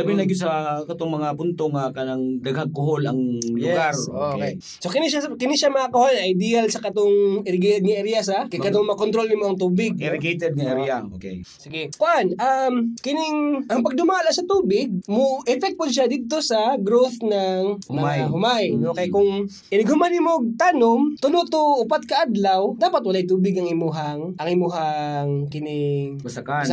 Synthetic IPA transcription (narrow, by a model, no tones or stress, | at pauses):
d̪ɐbɪnɐɡʊs̬ɐkɐt̪oŋmɐŋapʊnt̪oŋɐkɐlɐŋd̪ɐɡhɐɡ̚kʊɦolɐŋlʊɛɡaɾokɛj | sokɪniʃakɪniʃamɐkakɐholɐjd̪ijɐlsɐkɐt̪oŋɪɾɪɡejt̪ɛd̪̚ŋɪʔɛɾjas̬akɐjkːɐt̪oŋmɐkont̪ɾo̞lnɪŋmɐɐŋt̪uːbɪɡ̚ɪɾɪɡejt̪ɛd̪̚nɪʔɛɾjaʔokɛ̰j | sɪɡɛkoʔanʔamkɪnɪŋʔɐŋpɐɡ̚d̪ʊmaːlaʔsɐt̪uːbɪɡ̚moʔɛfɛk̪̚pod̪ʃad̪it̪osɐɡɾoθnɐŋmajɦʊmajnokɐjakʊŋ | kɪnɪɡhʊmanɪmoɡ̚t̪anomt̪ʊloʔt̪oʔʊpat̪̚kɐʔad̪lawd̪aːpɐt̪̚wɐlajt̪uːbɪɡɐŋɪmuɦaŋʔɐŋɪmuɦaŋkɪnɪŋsɐka